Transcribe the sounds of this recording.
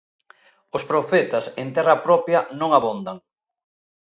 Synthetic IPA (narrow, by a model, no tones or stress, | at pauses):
ospɾofɛt̪asent̪ɛrapɾɔpjɐnõŋaβond̪aŋ